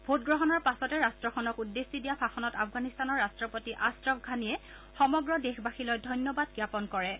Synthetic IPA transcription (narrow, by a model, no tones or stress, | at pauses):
bʱotɡɹɔɦɔnɔɹpasɔtɛɹastɹɔxʰɔnɔkudːesːidijapʰaxɔnɔtapfɡanistanɔɹastɹɔpotiʔastɹɔpɡʱanijɛ | xɔmɔɡɹɔdexbaxilɔjdʱɔjnjɔbadɡɹapɔnkɔɹɛ